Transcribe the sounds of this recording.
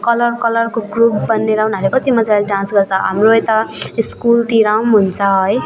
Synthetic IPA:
kʌlʌrkʌlʌrkoɡrup̚bʌnːeɾaɦunalekʌt̪imʌd͡zalɖãnsɡʌrt͡sʰʌɦa̰mroʌjt̪ʌiskult̪iɾawmɦunt͡sʰʌɦʌj

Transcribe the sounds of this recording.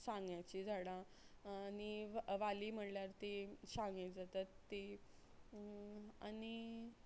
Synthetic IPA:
sãŋɡjat͡ɕid͡zʱaɽãː | niʋʋaliːm̤əɽljaɾt̪eɕaŋɡed͡zat̪at̪ːe | añi

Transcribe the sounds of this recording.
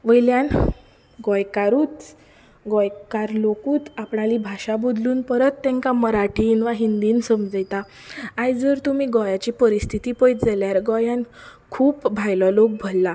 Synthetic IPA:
ʋəjljãn | ɡɔjkaɾuːt̪ | ɡɔjkaɾlokuːt̪apɳalibʱaɕabod̪luːnpəɾət̪ːɛ̃ŋkaməɾaʈʰiːnʋaɦind̪iːnsəmd͡zəjt̪aː | jd͡zəɾt̪umiːɡɔjat͡ɕiːpəɾist̪ʰit̪iːpəjd͡zaljaɾɡɔjãnkʰuːbbʱajlɔlok̚bʱolːa

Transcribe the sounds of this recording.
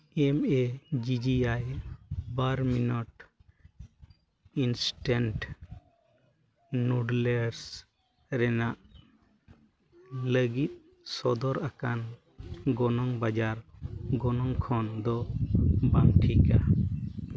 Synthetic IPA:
ɛmɛd͡ʒid͡ʒiajbaɾminɔʈ | insʈɛnʈ | nuɖlɛɾs | ɾɛnaʔ | ləɡit̪̚ | sɔd̪ɔɾakan | ɡɔnɔŋbad͡ʒaɾɡɔnɔŋkʰɔnd̪ɔ | bamʈʰika̰

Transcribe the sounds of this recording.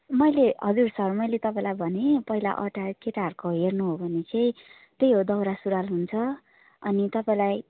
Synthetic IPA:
mʌjleɦʌd͡zursʌrmʌjlet̪ʌpãĩlajbʱʌnepʌɦila̰ʔʌʈakeʈaɦʌrkoɦernuɦobʱʌnet͡sãĩ | t̪ejɦod̪ʌwɾasuɾalɦunt͡sʰʌ | ʌnit̪ʌpaĩlaj

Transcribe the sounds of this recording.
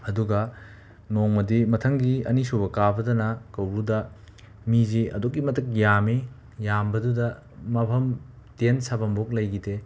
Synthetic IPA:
ɐduɡɐ | noŋmɐdimɐtʰɐŋɡiɐ̰nisubɐkabɐdɐnɐkɐwbudɐ | miziɐ̰dokːimɐtʰɐk̚jami | jambɐdudɐ | mɐpʰɐm | tensabɐmbok̚lɐjɡide

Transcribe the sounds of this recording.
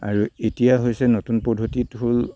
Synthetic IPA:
a̰ɹuetijaɦojsɛnotunpɔdʱotitɦol

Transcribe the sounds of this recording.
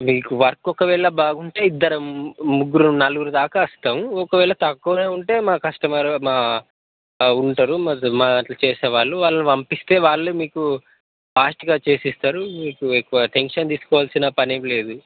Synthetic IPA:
miːkuʋɐɾkɔkɐʋɛːɭɐbaːɡuɳʈe̞ːid̪ːɐɾɐmmuɡuɾununɐluɡuɾud̪aːkɐɐst̪aːmuɔkɐʋɛːɭɐt̪ɐkːuːneːuɳʈe̞ːmaːkɐʂʈɐmɐɾmaː | uɳʈɐɾuɐmaːɳʈlɐt͡ʃeːseːʋaːɭːuʋaːɭːɐniʋɐmpist̪e̞ːʋaːɭːumiːku | paːsʈiɡaːt͡ʃe̞ːsist̪aːɾumiːkuekːuʋɐʈeŋkʂɐnt̪iːsu̥kɔːʋaːlsinɐpɐnemle̞ːd̪u

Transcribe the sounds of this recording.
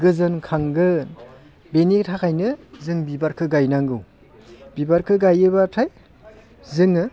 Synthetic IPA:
ɡɯzɯnkʰaŋɡɯ | benitʰakʰajnɯzɯŋbibaɾkʰɯɡajnaŋɡɯw | b̥ibaɾkʰɯɡajɯbatʰaj | zɯŋɯ

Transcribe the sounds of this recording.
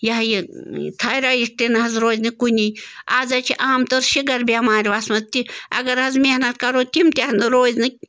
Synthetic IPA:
jɐɦjit̪ʰɐɾaːjiʈinɨɦɐzɾoːzʲnɨkunʲiaːzɐt͡ʃʰiʔaːmt̪oɾʃiɡɐɾbʲamaːɾʲiʋasmɐt̪iɐ̰ɡɐɾɐzmʲehnɐt̪̚kɐɾoːt̪ʲimt̪ʲanɨɾoːzʲnɨ

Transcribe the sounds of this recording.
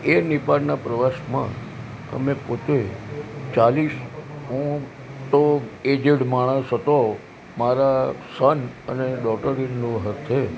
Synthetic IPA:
enɪpaɽnapɾəʋasmã̰ | ə̰mẽpot̪et͡ʃalisɦũ | t̪oed͡ʒeɽmaɽ̃əsɦət̪o | maɾasənə̰neɖɔkʈəɾinːõɦəɾt̪ʰe

